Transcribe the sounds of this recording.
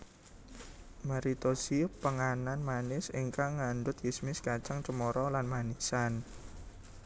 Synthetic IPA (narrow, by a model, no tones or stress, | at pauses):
maɾit̪osipəŋananmanɪsiŋkaŋandʊt̪̚jismɪskat͡ʃaŋt͡ʃəmɔɾɔlanmanisan